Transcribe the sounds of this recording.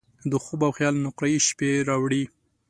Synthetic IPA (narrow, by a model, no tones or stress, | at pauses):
d̪əxobawxjɑlnʊqɾajiʃpeɾɑwɽi